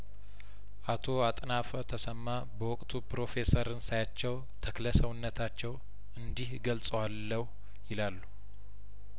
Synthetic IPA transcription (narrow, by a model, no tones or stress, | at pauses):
ʔat̪ʰo̞at̪ʼnafət̪ʰəsəmːa | bəwɔkʼt̪ʰupɾo̞fe̞səɾɨnsajat͡ʃːɛw | t̪ʰəkləsəwɨnːət̪ʰat͡ʃːɛw | ɨnd̪ihɡəlsʼəwalːəhu | jɪlalːu